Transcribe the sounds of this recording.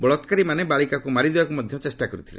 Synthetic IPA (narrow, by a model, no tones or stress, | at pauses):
bɔɭɔt̪kaɾimanebalikakumaɾid̪ebakumɔd̪ʱjɔt͡ʃesʈakɔɾut̪ʰilḛ